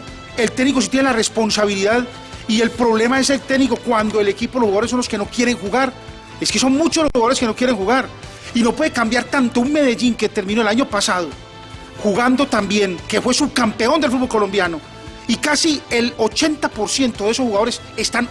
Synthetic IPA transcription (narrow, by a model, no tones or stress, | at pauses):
e̞lt̪e̞knikosit̪jenelare̞spo̞nsaβ̞iliðað | ie̞lpɾo̞βle̞mae̞se̞lt̪ekniko̞kwand̪o̞e̞le̞kipoloshxuɣaðoɾsonloske̞no̞kje̞ɾe̞ŋxuɣaɾ | e̞ske̞so̞nmut͡ʃolxsxuɣaðoɾeskeno̞kje̞ɾe̞ŋxuɣaɾ | ino̞pweðe̞kambjaɾt̪ant̪ouŋme̞ðe̞ʝiŋke̞t̪e̞ɾmĩnoelaɲo̞pasaðo | xuɣand̪o̞t̪ambje̞ŋke̞fwe̞sukampe̞o̞nd̪e̞lfud̪bolko̞lo̞mbjano̞ | ikasie̞lo̞t͡ʃe̞nt̪apo̞ɾsjent̪oðe̞s̬osxuɣað̞o̞ɾe̞s | e̞st̪an